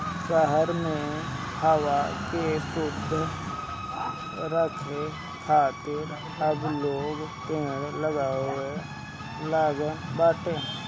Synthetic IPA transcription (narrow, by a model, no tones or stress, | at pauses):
ʃəɦəɾmẽhəwakesʊd̪ʱ | ɾəkʰe | kʰaːt̪ɪɾ | əbloːɡt̪ẽːɾləɡaːe | laːɡəbaːʈeː